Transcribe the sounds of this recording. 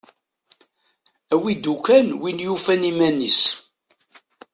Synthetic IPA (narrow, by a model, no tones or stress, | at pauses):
æwid̪ukænwinjufænimænis